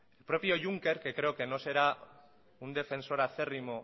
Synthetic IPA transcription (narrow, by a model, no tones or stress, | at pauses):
elpɾo̞pio̞ʝuŋke̞ɾkekɾe̞oke̞no̞se̞ɾa | und̪e̞fe̞nso̞ɾaθe̞rimo̞